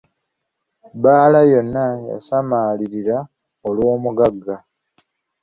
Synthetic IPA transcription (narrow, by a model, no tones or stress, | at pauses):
baːlajo̞nːaja̰samaːliɾiɾa | olwo̞ːmuɡaɡːa